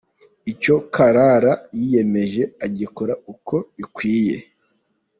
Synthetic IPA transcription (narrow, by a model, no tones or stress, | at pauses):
ico̞kaɾaɾajije̞me̞ʒe̞aɟikoɾaukʰo̞βikwiːje̞̰